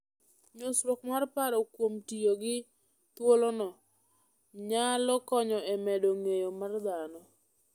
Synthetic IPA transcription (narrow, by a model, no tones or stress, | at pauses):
ɲosɾokmarpaɾɔkwomtijoɡɪ | t̪wolonɔ | ɲalɔkɔɲɔɛmɛdoŋejomard̪anɔ